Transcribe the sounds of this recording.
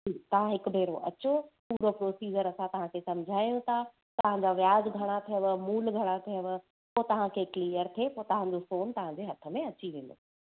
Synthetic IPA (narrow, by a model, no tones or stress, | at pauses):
d͡ʒiːt̪ɐʋ̤ãɦɪkʊ̆bʱeːɾoʔɐt͡ɕopuːɾopɾoːsiːd͡ʑəɾɐsãt̪ɐʋ̤ãkʰesɐ̃md͡ʑʱaːjũt̪ʰa | t̪ɐʋ̤ãɲd͡ʑaʋjaːzɡʱɐɽ̃at̪ʰijəʋəmuːlɡʱɐɽ̃at̪ʰijəʋ | poːt̪ɐʋ̤ãkʰeːkliːjəɾt̪ʰepoːt̪ɐɦãɲd͡ʑofoːnt̪ɐʋ̤ãɲd͡ʑeɦɐt̪ʰə̆mẽɐt͡ɕiʋẽːnd̪o̰ː